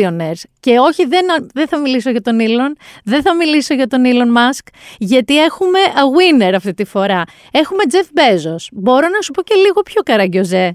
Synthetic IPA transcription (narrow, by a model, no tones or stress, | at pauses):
oneɾsce̞o̞çiðe̞nɐðe̞θɐmiliso̞ʝɐt̪o̞nilo̞nðeθɐmiliso̞ʝɐt̪o̞nilo̞nmɐskʝɐt̪ie̞xume̞ʔɐɣwine̞ɾɐft̪it̪ifo̞ɾɐ | e̞xume̞d͡ze̞fbe̞zo̞sbo̞ɾo̞nɐsupo̞ce̞liɣo̞pço̞kɐɾɐɟo̞ze